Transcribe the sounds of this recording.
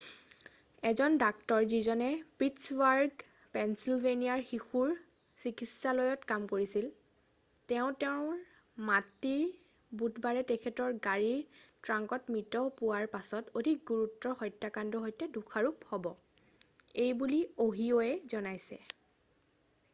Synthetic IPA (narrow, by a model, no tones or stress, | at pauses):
ɛzɔndak̚tɔɹzizɔnɛpɹitswaɹɡ | pɛnsilveniaɹxixuɹ | sikisalɔjɔtkamkoɹisil | tɛʊ̃tɛʊ̃ | matiɹ | butbaɹɛtɛkʰɛtɔɹɡaɹiɹtɹaŋkɔtmitɔpuwaɹpasɔtodʱik̚ɡuɹutːɔxɔjtːakandɔɦojtɛdukʰaɹuphɔbɔ | ejbulioɦiɔɛzɔnajsɛ̰